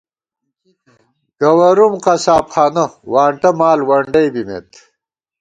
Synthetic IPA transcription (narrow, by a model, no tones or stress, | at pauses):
ɡ̥ɐwɐɾumqɐsaːpxaːnɐwaːɳʈɐmaːlwɐɳɖɐjbimḛːt̪